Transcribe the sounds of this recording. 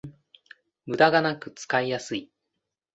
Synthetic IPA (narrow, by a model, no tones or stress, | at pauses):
mɯ̟d̪aɡanakɯ̟t͡sɨ̥kaijasɨi